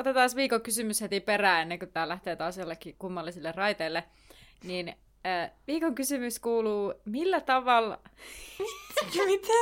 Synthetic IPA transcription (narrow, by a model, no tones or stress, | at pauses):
ot̪et̪ɑːsʋiːkoŋkysymyshet̪iperæːenːeŋkut̪æːlæht̪eːt̪ɑːsjolːekːikumːɑlːisilːerrɑit̪eilːe | nin | əːʋiːkoŋkysymyskuːluːmilːæt̪ɑʋɑl | jmit̪ʰæ